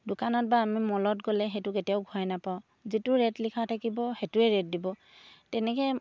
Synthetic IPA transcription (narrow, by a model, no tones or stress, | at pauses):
dʊkanɔt̚baːmimɔlɔtɡɔlɛxetʊketijaʊɡʱuɛnapaʊ̃ | zitʊɹɛtlikʰatʰakibɔxetʊɛɹɛt̚dibɔ | tɛnɛkɛ